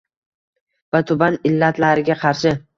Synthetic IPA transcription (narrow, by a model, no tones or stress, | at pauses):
vat̪ʰʊbanɪlːat̪ʰlaɾɪɡʲaqʰɑɾʃɪ